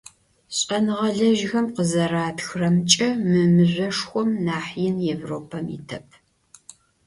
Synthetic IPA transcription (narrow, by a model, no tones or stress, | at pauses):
ɕʼɐnɨʁɐɮɐʒxɐmqəzɐraːtxrɐmt͡ʃʼɐmɨmɨʑʷɐʂxʷɔmnaːħjɪnjevroːpʰɐmḭtʰɐpʰ